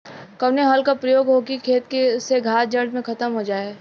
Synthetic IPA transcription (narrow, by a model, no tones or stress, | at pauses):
kɐʋneɦɔːlkapɾɐjoːɡɦoːkikʰeːt̪keseɡʱaːt̪̚d͡ʒɐɾɖ̪mẽkʰɐt̪əmɦod͡ʒaːeː